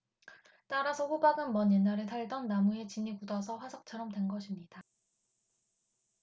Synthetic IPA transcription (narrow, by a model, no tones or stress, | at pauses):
t͈aɾasʰʌɸobaɡɯnmʌnjenːaɾɯtʰaɭdʌnːamue̞t͡ɕiɲiɡudʌsʰʌɸwasʰʌk̚t͡ɕʰʌɾʌmdwe̞nɡʌɕʰimɲida